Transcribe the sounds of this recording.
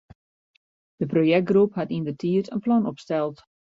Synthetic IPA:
d̥əprojɛk̚ɡrupɦatindətʰiətənplɔnɔpstɛlˠt

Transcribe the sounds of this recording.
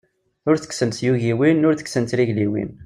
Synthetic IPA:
ʊɾθə̥ksənt̪juʝiwinʊɾθə̥ksənt̪ɾiʝliwḭn

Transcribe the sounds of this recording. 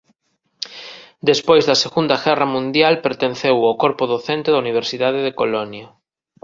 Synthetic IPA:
d̪espojzðɐseɣund̪ɐɣɛrɐmũnd̪jalpeɾt̪ẽnθewawkoɾpʊðoθent̪eðɐuniβ̞eɾsiðaðeðekolɔnjɐ

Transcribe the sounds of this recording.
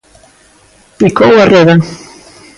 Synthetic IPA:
pikowareða

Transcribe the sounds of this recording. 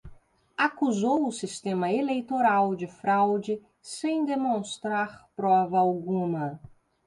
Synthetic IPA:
akuzowʊsist̪ẽmɐelejt̪oɾawd͡ʒɪfɾawd͡ʒɪ | sẽj̃d̪emõst̪ɾaɾpɾɔvɐawɡũmɐ

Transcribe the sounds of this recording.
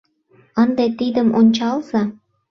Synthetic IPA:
ənd̪et̪id̪əmonʲt͡ɕɑlz̥ɑ

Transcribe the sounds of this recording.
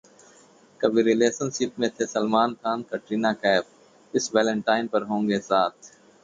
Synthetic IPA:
kɐbʱiɾɪleːsənsɪp̚mẽt̪ʰesɐlmaːnkʰaːnkɐʈɾiːnaːkɛːp̚ | ɪsʋɛːlə̃ɳʈaːɪnpɐɾɦõːŋɡesaːt̪ʰ

